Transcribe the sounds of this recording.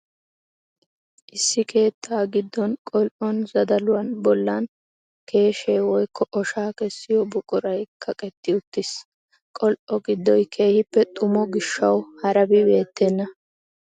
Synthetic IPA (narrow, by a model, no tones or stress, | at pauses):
ʔɪsːɪkʰe̞ːt̪ʰːaːɡɪd̪ːɔnkʼɔlʔɔnzɐd̪ɐlʊwɐnbɔlːan | kʰe̞ːʃeːwɔjkːɔʔɔʃaːkɛsːɪjɔbʊkʼʊɾɐjkʰɐkʼɛt̪ːɪʊt̪ːɪs | kʼɔlʔɔɡɪd̪ːɔjkʰe̞ːhɪpːɛt̪ʼʊmɔɡɪʃːɐwhɐɾɐbɪbe̞ːt̪ːɛnːɐ